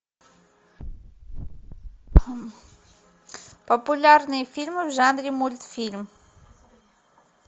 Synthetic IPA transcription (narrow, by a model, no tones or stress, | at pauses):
populaɾnifilmuzand̪ɾimult̪u̥filmi̥